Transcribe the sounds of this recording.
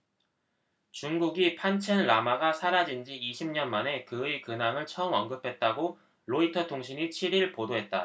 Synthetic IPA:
t͡ɕuŋɡuɡipʰant͡ɕʰenɾamaɡasʰaɾad͡ʑind͡ʑiiɕʰimɲʌnmane̞kɯikɯnaŋɯɭt͡ɕʰʌɯmʌnɡɯpʰe̞t̚t͈aɡo | ɾoitʰʌtʰoŋɕ̬ʰiɲit͡ɕʰiɾiɭpodoɦe̞t̚t͈a

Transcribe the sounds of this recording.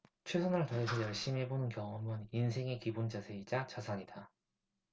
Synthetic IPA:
t͡ɕʰwesʰonɯɭtaɾɯsʰʌjʌɭɕ͈imiɦebonɯnkjʌŋɯmɯninsʰe̞ŋe̞kibond͡ʑasʰe̞id͡ʑat͡ɕasʰaɲida

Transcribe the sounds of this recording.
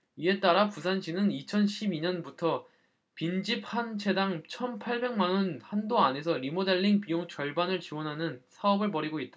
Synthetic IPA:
ie̞t͈aɾapusʰanɕʰinɯnit͡ɕʰʌnɕʰibiɲʌnbutʰʌ | pind͡ʑip̚ʰant͡ɕʰe̞daŋt͡ɕʰʌnpʰaɭbe̞ŋmanʌnhandoane̞s̬ʰʌɾimodeɭːiŋpijoŋt͡ɕʌɭbanɯɭt͡ɕiwʌnɦanɯnsʰaʌbɯɭpʌɾiɡoit̚t͈a

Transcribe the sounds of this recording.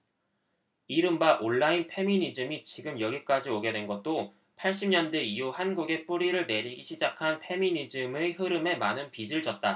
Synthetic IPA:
iɾɯmbaʔoɭːainpʰe̞minid͡ʑɯmit͡ɕiɡɯmjʌɡik͈ad͡ʑioɡe̞dwe̞nɡʌt̚t͈o | pʰaɭɕ͈imɲʌndeijuhanɡuɡe̞p͈uɾiɾɯɭne̞ɾiɡiɕʰid͡ʑakʰanpʰe̞minid͡ʑɯmehɯɾɯme̞manɯnpid͡ʑɯɭd͡ʑʌt̚t͈a

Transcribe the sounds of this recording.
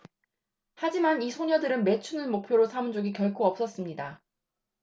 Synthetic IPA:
had͡ʑimanisʰoɲʌdɯɾɯnme̞t͡ɕʰunɯnmok̚pʰjoɾosʰamund͡ʑoɡikjʌɭkʰoʌp̚s͈ʌs͈ɯmɲida

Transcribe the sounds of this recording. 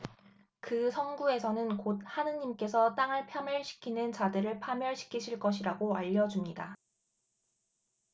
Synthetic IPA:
kɯsʰʌnɡue̞sʰʌnɯnkot̚hanɯɲimk͈e̞sʰʌt͈aŋɯɭpʰjʌmjʌɭɕʰi̥kʰinɯnt͡ɕadɯɾɯɭpʰamjʌɭɕʰi̥kʰiɕʰiɭk͈ʌɕʰiɾaɡoaʎːʌd͡ʑumɲida

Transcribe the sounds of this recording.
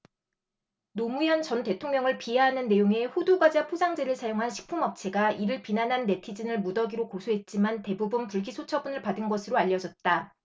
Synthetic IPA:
nomujʌnt͡ɕʌnte̞tʰoŋɲjʌŋɯɭpiɦeɦanɯnːe̞joŋe̞ɸuduɡad͡ʑapʰod͡ʑaŋd͡ʑe̞ɾɯɭsʰajoŋɦanɕʰi̥k̚pʰumʌp̚t͡ɕʰe̞ɡaiɾɯɭpinanɦanːe̞tʰid͡ʑinɯɭmudʌɡiɾokosʰoɦe̞t̚t͡ɕ͈imante̞bubɯnpuɭɡisʰot͡ɕʰʌbunɯɭpadɯnɡʌsʰɯɾoaʎːʌd͡ʑʌt̚t͈a

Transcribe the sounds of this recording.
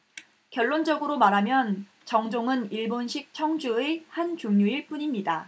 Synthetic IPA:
kjʌɭːond͡ʑʌɡɯɾomaɾɦamjʌn | t͡ɕʌŋd͡ʑoŋɯniɭbonɕʰik̚t͡ɕʰʌŋd͡ʑuehant͡ɕuŋɲuiɭp͈uɲimɲida

